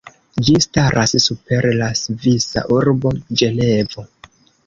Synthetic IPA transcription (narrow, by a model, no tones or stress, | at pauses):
d͡ʒistaɾʔassupe̞ɾlasvisa̰ʔuɾbo̞d͡ʒe̞levo̞